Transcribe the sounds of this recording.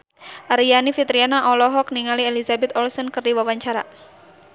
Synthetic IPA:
ʔaɾianifit̪ɾianaʔɔlɔɦɔk̚niŋalielizabɛt̪ɔlsɔnkərdiwawaɲt͡ʃaɾa̰

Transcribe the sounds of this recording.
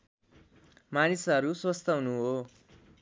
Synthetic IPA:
manisɦʌɾuswʌst̪ʌɦunuɦo

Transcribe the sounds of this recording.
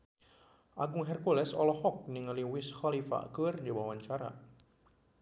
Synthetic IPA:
ʔaɡʊŋɦɛrkulɛsɔlɔhɔk̚niŋəliwɪsxalifa̰kərdiwawaɲt͡ʃaɾa̰

